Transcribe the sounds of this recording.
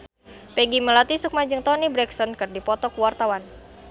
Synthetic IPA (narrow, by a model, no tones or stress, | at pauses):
pɛɡiməlat̪isuk̚maɲd͡ʒɨŋt̪ɔnibɾɛksɔnkɨrdipɔt̪ɔkuwart̪awan